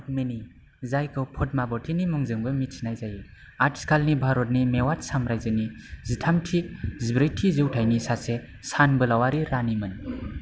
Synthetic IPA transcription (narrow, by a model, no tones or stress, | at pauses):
at̚meni | zajkʰɯwpʰɔt̚mabɔtʰinimuŋzɯŋbɯmisnajzaji | atskʰalnibʱaɾɔt̬̚nimewat̚samɾajzɯnizitʰamtʰizbɾɯjtʰizɯwtʰajnisase | sanbɯlawaɾiɾanimɯn